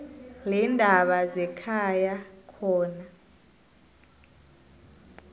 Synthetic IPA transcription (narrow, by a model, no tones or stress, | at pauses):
lɛndʱaɓazɛkʰajakʰɔːna